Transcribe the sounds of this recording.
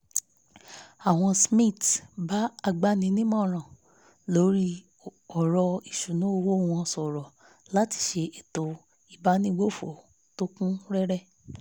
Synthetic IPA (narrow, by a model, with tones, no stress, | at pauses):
a˨w̃ɔ̃˧smĩ˦˨tba˨˦a˧ɡ͡ba˦nĩ˨˧nĩ˦mɔ̃˦˨ɾ̃ã˨ | lo˨˦ɾi˦ | ɔ˨ɾɔ˧i˨ʃu˨nũ˨˦o˧wo˦˨w̃ɔ̃˧sɔ˨ɾɔ˨ | la˨˦ti̥˨ʃe˧e˨to˨ | i˨ba˦nĩ˦ɡ͡bo˦˨fo˨ | to˦kũ˦ɾɛ˦ɾɛ˦